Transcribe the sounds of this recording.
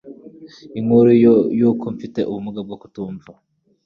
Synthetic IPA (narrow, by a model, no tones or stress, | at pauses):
iŋhuɾujuːkoɱfite̞ʔuβumuɡab̚ɡoku̥tuːɱva